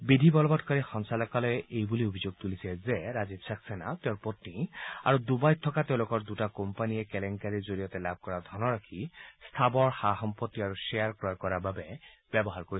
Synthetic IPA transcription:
bid̪ʱibɔlɔbɔtkaɹixɔnsalɔkalɔjʔejbuliobʱizoɡ̚t̪ulisʰɛzɛɹazibsaksɛnat̪ɛʊ̃pot̪nia̰ɹud̪ubajt̪ʰɔkat̪eʊ̃lokɔɹd̪utakompanijɛkɛlɛŋkaɹizoɹijɔt̪ɛlab̚ʱkɔɹad̪ʱɔnɔɹakʰist̪ʰabɔɹxaɦɔmpot̪ːiaɹuʃeaɹkɹɔɔkɔɹaɹbabɛb̥ɛbɔɦaɹkoɹi

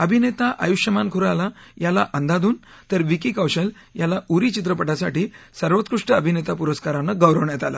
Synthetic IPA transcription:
əbʱinet̪aʔa̰juɕjəmankʰuɾalajalaʔənd̪ad̪uːn | t̪əɾʋikikawɕəl | jalauɾit͡ɕit̪ɾəpəʈasa̰ʈiːsəɾʋət̪kɾuʂʈəəbʱinet̪apuɾəskaɾanːəɡəwɾəʋɳjat̪ala̰

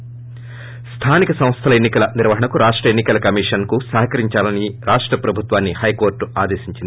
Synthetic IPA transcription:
st̪ʰaːnikɐsɐ̃m̃st̪ʰɐlɐenːikɐlɐniɾʋɐɦɐɳɐkuɾaːʂʈɾɐenːikɐlɐkɐmiːʂɐnkusɐːɦɐkɐɾiɲt͡ʃaːlɐniɾaːʂʈɾɐpɾɐbʱut̪ʋaːnːihɐjko̞ːɾʈuaːd̪eːʃiɲt͡ʃind̪

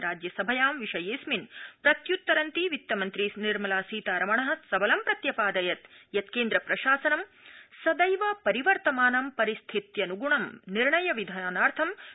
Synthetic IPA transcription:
ɾaːd͡ʒjɐsɐbʱɐjaːmʋiʂɐjeːsminpɾɐt̪jut̪ːɐɾɐnt̪iʋit̪ːɐmɐnt̪ɾisniɾmɐlaːsiːt̪aːɾɐmɐɳɐɦɐ̆t̪sɐbɐlɐmpɾɐt̪jɐpaːd̪ɐjɐt̪jɐt̪keːnd̪ɾɐpɾɐʃaːsɐnɐm | sɐd̪ɐjʋɐpɐɾiʋɐɾt̪ɐmaːnɐmpɐɾist̪ʰit̪jɐnuɡuɳɐmniɾɳɐjɐʋid̪ʱaːnaːɾt̪ʰɐm

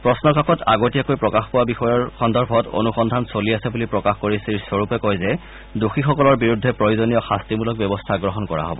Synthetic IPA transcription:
pɹɔsnɔkakɔtaɡotijakojpɹɔkaxpɔwabixɔjɔɹxɔndɔɹbʱɔto̰nuxɔndʱansoliasɛbulipɹɔkaxkoɹisiɹsoɹupɛkɔjzɛ | duxixɔkɔlɔɹbiɹudʱːɛpɹojuzonijɔxastimulɔk̚bɔbɔstʰaɡɹɔɦɔnkɔɹa̰ɦɔ̰bɔ̰

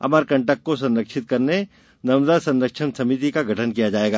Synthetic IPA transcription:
ɐ̰maːɾkɐ̃ɳʈək̚kos̬ɐ̃nɾəkʃɪt̪̚kɐɾne | nɐmzasɐ̃nɾəkʃənsɐmit̪̬ikaɡʱɐʈʰənkijad͡ʒaːeːɡaː

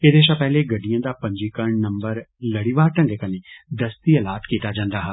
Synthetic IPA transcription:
ed̪eːʃ̬apɛɦleɡɐɖijãːd̪apɐ̃ɲd͡ʒikəɾɳnɐmbəɾləɽiʋaːɾʈə̃ŋɡekənẽd̪əst̪iəlaːt̪kiːt̪ad͡ʒãːnd̪aːɦɛ

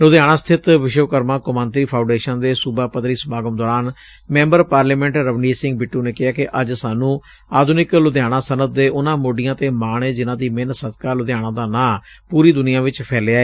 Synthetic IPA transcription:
lʊd̪jaːɽ̃ãːst̪ʰɪt̪ʋɪʃoːkəɾmãːkʊmãːnt̪ɾiːpʰãːʊ̃ɳɖeːʃənd̪eːsʊbaːpəd̪ɾiːsəmaːɡəmd̪ɔːɾaːn | mɛ̃ːmbəɾpaːɾliːmɛ̃ːɳʈɾəʋniːsɪ̃ŋɡ̚bɪʈːuːneːkɪɦaːkɪʔəd͡ʒsaːnũː | aːd̪ʱʊnɪklʊd̪jaːɽ̃ãːsənəd̪̚d̪eːʔʊnãːmoːɖɪjãːt̪eːmaːɳeːd͡ʒɪnãːd̪iːmɪnsəd̪kaːlʊd̪jaːɽãːd̪aːnãː | puːɾiːd̪ʊnɪjãːʋɪt͡ʃpʰɛːlaːeː

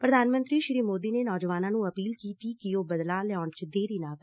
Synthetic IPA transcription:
pɾəd̪ʱaːnmə̃nt̪ɾiːʃɾiːmoːd̪iːneːnɔːd͡ʒʋaːnãːnũːəpiːlkiːt̪iːkɪoːbəd̪laːlɛaːɳt͡ʃd̪eːɾiːnaːk

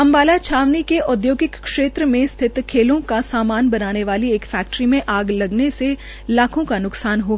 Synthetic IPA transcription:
ɐ̃mbaːlat͡ʃʰaːʋnikeʔʊd̪joːɡɪkːʂeːt̪ɾəmẽst̪ʰɪt̪kʰeːlõkasaːmaːnbɐnaːneʋaːlieːkfɛːk̚ʈɾimẽʔaːɡlɐɡnese | laːkʰõkanʊksaːnɦoː

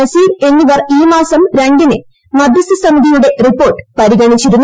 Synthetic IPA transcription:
ɐsiːre̞nːiʋɐriːmaːsɐmɾɐŋɡɐnḛ | mɐd̪jɐsɐsɐmiðijuɽe̞ripːo̞ːrʈːɨ̥pɐɾiɣɐɳit͡ɕːiɾunː

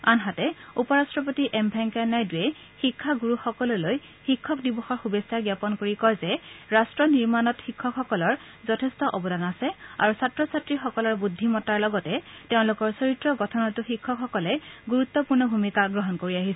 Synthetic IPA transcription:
anɦatɛupɔɹastɹɔpotiʔɛmbʱɛŋkanajduɛ | xikʰːaɡuɹuxɔkɔloloj | xikʰːɔkdibɔxɔɹxubesaɡjapɔnkoɹikɔjzɛɹastɹɔniɹmanɔtxikʰːɔkxɔkɔlɔɹ | zɔtʰɛstɔʔɔbɔdanasɛa̰ɹusatɹɔsatɹixɔkɔlɔɹbudʱːimɔtaɹlɔɡɔtɛteʊ̃lʊkɔɹsoɹitɹɔɡɔtʰɔnɔtʊxikʰːɔkxɔkɔlɛɡuɹut̪ːɔpuɹnɔbʱumikaɡɹɔɦɔnkoɹiaɦisɛɛ

